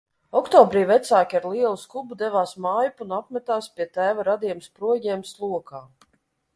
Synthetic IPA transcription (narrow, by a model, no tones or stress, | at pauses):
ɔkt̪ɔːbɾiːvɛt̪saːkʲaɾlˠiɛlˠuskubud̪ɛvaːsmaːjpunapmɛt̪aːspʲiɛt̪æːvaɾad̪iɛmspɾuɔjiɛmslˠuɔkaː